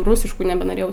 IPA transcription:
ˈruːsʲɪʃkʊ nʲɛbʲɛnoːˈrʲeːjɛʊ

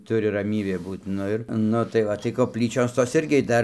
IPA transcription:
ˈtʊrʲɪ rɐˈmʲiːbʲeː ˈbuːt ˈnʊ ɪr ˈnʊ tɐɪ ˈʋɐ tɐɪ koːpʲˈlʲiːt͡ʃʲoːs toːs ˈɪrʲɡʲɪ ˈdɐr

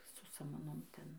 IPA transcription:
sʊ sɐmɐˈnoːm ˈtʲɛn

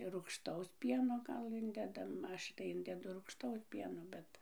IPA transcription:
ruːkʃˈtɐʊs ˈpʲiɛnoː ˈɡɐlˠ ˈɪnʲdʲɛdɐm ˈɐʃ tɐɪ ˈɪnʲdʲɛdʊ ruːkʃˈtɐʊs ˈpʲiɛnoː ˈbʲɛt

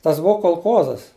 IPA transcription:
ˈtɐs ˈbʊʋoː koːlˠˈkoːzɐs

